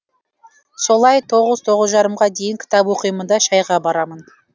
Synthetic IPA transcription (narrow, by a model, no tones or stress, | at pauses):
so̞lˠɑjt̪ʰo̞ʁəz̥t̪ʰo̞ʁəzʒɑɾəmʁɑd̪e̞jɪŋkʲʰɪ̥t̪ɑpwo̞qijəmənd̪ɑʃɑjʁɑbɑɾɑmən